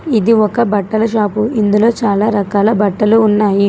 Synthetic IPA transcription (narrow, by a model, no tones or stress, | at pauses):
id̪iɔkɐbɐʈːɐlɐʃaːpuind̪ulo̞ːt͡ʃaːlaːɾɐkaːlɐbɐʈːɐluːnːaːji